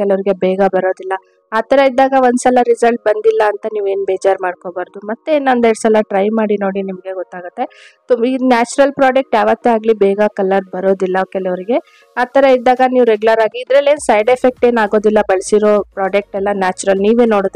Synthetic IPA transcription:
kɛlɐʋɾiɡe̞bɛːɡɐbɐɾo̞ːd̪ilːɐ | aːt̪ɐɾeid̪ːaːɡɐʋond̪sɐlɐɾizɐlʈ̚bɐnd̪ilːɐːnt̪ɐniːʋe̞ːnbeːd͡ʒaːɾmaːɽko̞ːbaːɾd̪umɐt̪ːeeːnɐnd̪eɽsɐlɐʈɾɐjmaːɽino̞ːɽinimɐɡe̞ɡɔt̪ːaːɡut̪ːe̞t̪uinaːt͡ʃuɾɐlpɾaːd͡ʒek̚ʈjaːʋɐt̪ːeaːɡlibɛːɡɐkɐlːɐɾbɐɾo̞ːd̪ilːɐkɛlɐʋɐɾiɡe̞ | aːt̪ɐɾeid̪ːaːɡɐniːʋuɾeɡulɐɾaːɡiːd̪ɾɐle̞ːnsɐjɖepʰek̚ʈe̞ːnaːɡo̞ːd̪ilːɐbɐɭsiɾo̞ːpɾaːd͡ʒek̚ʈɛlːɐnaːt͡ʃuɾɐlniːʋeːnːoːɽod̪

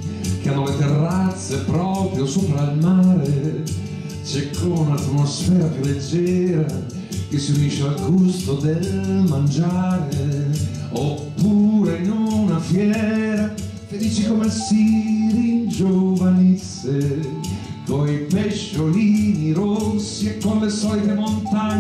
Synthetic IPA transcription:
keanːolet̪erːat̪sːepɾɔpɾjosoːpɾailmaɾe | t͡ʃɛkʰːounat̪mosfɛːɾapjulːed͡ʒːɛːɾa | kesːiuniʃealɡust̪od̪elmand͡ʒaːɾe | opːuɾenunafjɛːɾa | ked̪ːiːt͡ʃikomesirind͡ʒovanesːe | koipɛʃːoliniɾosːiekːonlesɔlit̪emont̪aɲ

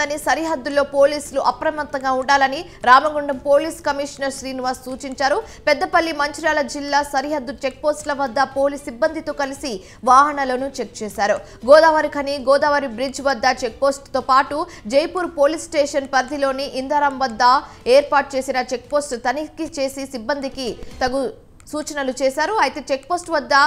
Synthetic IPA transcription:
ɐnisɐɾiɦɐd̪ːulːoːpo̞ːliːsluʔɐpɾɐmɐt̪ːɐŋɡaːuɳɖaːlɐni | ɾaːmɐɡuɳɖɐmpo̞ːliːskɐmiʂɐnɐɾsɾiːnʋaːɾssuːt͡ʃiɲt͡ʃaːɾu | pɛd̪ːɐpɐlːimɐɲt͡ʃiɾaːlɐd͡ʒilːaːsɐɾiɦɐd̪ːut͡ʃe̞k̚po̞ːsʈlɐʋɐd̪ːɐpo̞ːliːsibːɐnd̪ʱit̪oːkɐlisi | ʋaːɦɐɳɐlo̞ːnut͡ʃek̚t͡ʃɛːsaːɾu | ɡɔːd̪aːʋɐɾikʰɐniɡɔːd̪aːʋɐɾibɾid͡ʒʋɐd̪ːɐt͡ʃek̚po̞ːsʈt̪oːpaːʈu | d͡ʒejpuːɾpo̞ːlisʈeːʂɐnpɐɾd̪ʱilo̞ːniʔind̪ʱɐɾɐmʋɐd̪ːɐ | eːɾpaːʈ̚t͡ʃe̞ːsinɐt͡ʃe̞k̚poːsʈt̪ɐnikit͡ʃe̞ːsisibːɐnd̪ʱikit̪ɐɡu | suːt͡ʃɐnɐlut͡ʃɛːsaːɾuɐjt̪e̞ːt͡ʃek̚po̞ːsʈʋɐd̪ːɐ

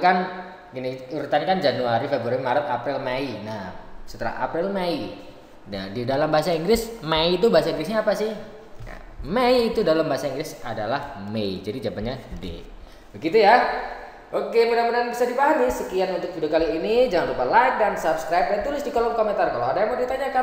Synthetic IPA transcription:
kan | ɡiniuɾt̪anikand͡ʒanuaɾifebɾuaɾimaɾap̪apɾɪlmainahsə̥t̪əla̰a̰pɾɪlmai | nadidalambaɦasaiŋɡɾɪsmait̪ubaɦasaiŋɡɾɪsɲaːpasɪh | na̰ | meːt̪udalambaɦasaiŋɡɾɪsa̰dalahmeid͡ʒadid͡ʒabaɲadḛ | bəɡit̪uja | ʔokepədaŋpədanbisadipaɦamisəkianunt̪ʊk̚t̪udakaliːnid͡ʒaŋanrupalaɪk̚dansapskɾajp̚dant̪ulɪsdikolɔŋkoment̪arkalaadajaŋmodit̪aɲaka

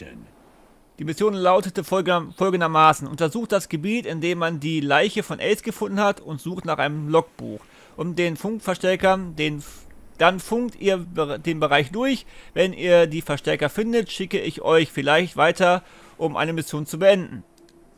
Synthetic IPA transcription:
d̥iːmɪsjoːnlaʊtətəfɔlɡŋ̩dɐmaːsn̩ʔʊntɛɐzuːxt̚d̥asɡ̥əbiːtɪndeːmːandiːlaɪçəfɔnʔɛlsɡ̥əfʊndn̩hatʰʊntz̥uːxtnaːχʔaɪnəmlɔk̚b̥ṵːx | ʔʊmdeːnfʊŋkfɛɐʃtɛɐkɐndeːnd̥anfʊŋtiːɐbdeːnbəʁaɪçd̥ʊɐçvɛnʔḭːɐdiːfɛɐʃtɛɐkɐfɪndətʃɪkəɪçʔɔʏçfɪlaɪçtv̥aɪtɐ | ʔʊmʔa̰ɪnəmɪsjoːnt͡subəʔɛndn̩

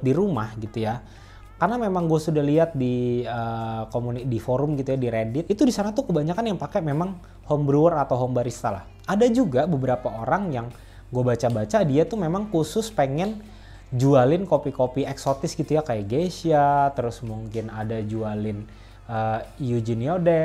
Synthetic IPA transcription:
diɾumahɡit̪uja | karnamemaŋɡuasudahliat̪̚diəkomunidifoɾʊmɡit̪ujadiɾedɪt̪it̪udisanat̪ukəbaɲakanjaŋpakɛmemaŋ | hɔmbɾuərat̪awɦɔmbaɾist̪ala̰h | adad͡ʒuɡabəbəɾapaoɾaŋjaŋ | ɡuabat͡ʃabat͡ʃadiat̪umemaŋkusʊspeŋɛn | d͡ʒualɪnkopikopiɛksot̪ɪsɡit̪ujakajaɡesiat̪əɾʊsmuŋkɪnadad͡ʒualɪn | əjud͡ʒiniodɛ

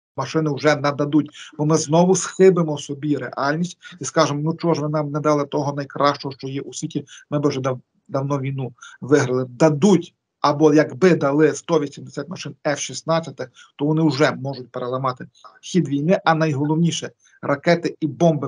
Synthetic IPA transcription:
mɐʃɪnɪwʒɛnɛd̪ɐd̪utʲbɔmɪznɔʋʊsxɪbɪmɔsɔbʲiɾḛʔɑlʲnʲisʲtʲiskɑʒemɔnut͡ʃɔʒʋɪnɑmnɛd̪ɑlˠɛt̪ɔɦɔnɐjkɾɑʃt͡ʃɔɦɔʃt͡ʃɔjɛʔusʲʋʲitʲimɪbɪwʒɛd̪ | d̪ɐwnɔʋʲijnuʋɪɦɾɪlˠɪd̪ɐd̪utʲ | ɐbɔjɐɡbɪd̪ɐlˠɪst̪ɔʋʲisʲimɪsʲat̪ʲmɐʃɪnɛfʃisnɑt͡sʲɐt̪ɪx | t̪ɔʋɔnɪwʒɛmɔʒʊtʲpeɾelˠɐmɑt̪ɪxʲid̪ʋʲijnɪʔɐnɐjɦɔlˠɔwnʲiʃɛ | rɐkɛt̪ɪibɔmbɪ

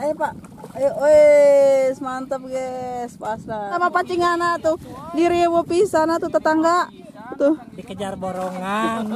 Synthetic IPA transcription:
ɛpaʔ | oe | smant̪əp̚ɡɛspaslaamapat͡ʃiŋanat̪udiɾiwopisanat̪ut̪ət̪aŋɡaʔ | t̪udikəd͡ʒarboɾɔŋan

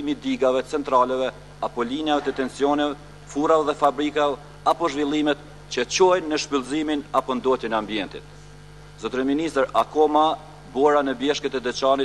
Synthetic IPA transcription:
imid̪iɡavɛt͡sɛnt̪ɾalɛvɛ | apɔliɲjavɛt̪ət̪ɛnsjɔnɛvɛ | fuɾavɛðɛfabɾikavɛ | apɔʒvilˠimɛt̪ | t͡ɕət͡ɕɔjnːəʃpilˠziminapɔnd̪ɔt̪jɛnɛambiɛnt̪ḭt̪̚ | zɔt̪ɾɛminist̪ɾakɔma | bɔɾanəbjɛʃkɛt̪ɛd̪ɛt͡ɕanit̪

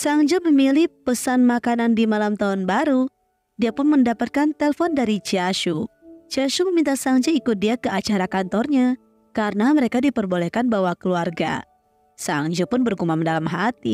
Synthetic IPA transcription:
saŋd͡ʒuməmilɪhpəsanmakanandimalamt̪aunbaɾu | diapʊnməndapat̪̚kant̪ɛlfɔndaɾit͡ʃiaʃut͡ʃaʃuməmint̪asaŋd͡ʒaikʊt̪̚diakəat͡ʃaɾakant̪ɔrɲa | kaɾənaməɾekadipərbolɛkanbawakəluarɡa̰ | saŋd͡ʒupʊnbərɡumamndalamɦat̪i

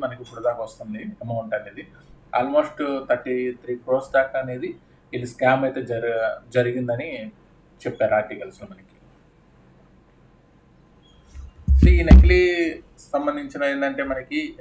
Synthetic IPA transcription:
mɐnɐkibuɽɐd̪aːkɐʋɐst̪und̪iɐmɐuɳʈaned̪i | a̰ːlmoːsʈt̪ʰɐʈːit̪ʰɾiːkɾoːsd̪aːkaːne̞ːd̪i | iliskaːmɐjt̪e̞ːd͡ʒɐɾiɡind̪ɐni | t͡ʃɛpːaːɾaːʈiːkɐluslɐmɐnɐki̥ | sinekli | sɐmbɐnd̪ʱiɲt͡ʃinɐenɖɐɳʈe̞ːmɐnɐki

